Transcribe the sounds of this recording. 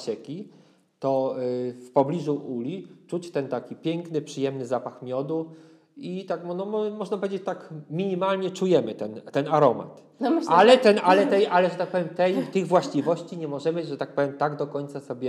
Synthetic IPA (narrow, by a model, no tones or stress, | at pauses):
ɕɛkʲi | t̪ɔfpɔblʲiʐuʔulʲit͡ʂut͡ɕt̪ɛnt̪akʲipʲjɛŋknɘpʂɘjɛmnɘzapaxmʲjɔd̪u | it̪akmɔnɔmɔmɔʐnapɔvʲed͡ʑet͡ɕt̪akmʲiɲimalɲɛt͡ʂujɛmɘt̪ɛnt̪ːɛnaɾɔma̰t̪ | nmɪalɛt̪ɛnalɛt̪ɛjʔalɛʐɛt̪ak̚pɔvʲjɛmt̪ɛjt̪ɘɣvwaɕt͡ɕivɔɕt͡ɕiɲɛmɔʐɛmɘʐɛt̪ak̚pɔvʲjɛmt̪aɡd̪ɔkɔɲt̪sasɔbʲjɛ